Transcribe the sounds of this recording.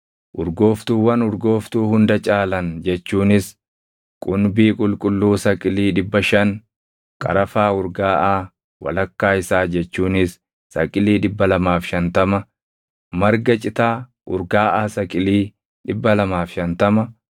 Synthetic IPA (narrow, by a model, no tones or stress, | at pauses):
ʔʊɾɡo̞ːft̪uːwɐnʊɾɡo̞ːft̪uːhʊnd̪ɐt͡ʃʼaːlɐnd͡ʒɛt͡ʃːuːnɪs | kʼʊnbiːkʼʊlkʼʊlːuːsɐkʼɪliːᶑɪbːɐʃɐn | kʼɐ̰ɾɐfaːʊɾɡaːʔaː | wɐ̰lɐkːaːɪsaːd͡ʒɛt͡ʃːuːnɪsː | ɐkʼɪliːᶑɪbːɐlɐmaːfʃɐnt̪ɐmɐ | mɐɾɡɐt͡ʃʼɪt̪aː | ʔʊɾɡaːʔaːsɐkʼɪliː | ᶑɪbːɐlɐmaːfʃɐnt̪ɐmɐ